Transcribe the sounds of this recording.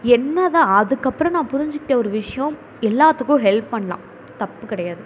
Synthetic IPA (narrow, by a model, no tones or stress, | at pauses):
ɛnːɐðãːɐðɯkːɐpːɯɾɐ̃nãːpʊɾɪɲd͡ʒɯkːɪʈːeɔɾɯʋɪʂɐjɐ̃ | ɛlːaːt̪ːɯkːʊ̃ɦɛlpːɐɳːɐlã̰ː | t̪ɐpːɯkːɪɽɐjaːðɯ